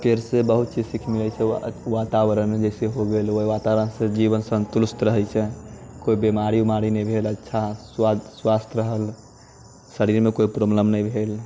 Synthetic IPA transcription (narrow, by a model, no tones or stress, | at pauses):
pʰeɾsebəɦut̪̚t͡ʃid͡ʒsikʰmilɛt͡ʃʰɛʋat̪aʋəɾənmed͡ʒɛjseɦoɡeloiʋat̪aʋəɾənsẽd͡ʒiʋənsə̃nt̪uɾust̪ɾəɦɛt͡ʃʰɛkoibemaɾiumaɾinəjbʱelətːʃʰaswaswast̪ʰɾəɦəl | səɾiɾmekoipɾobləmnəjbʱel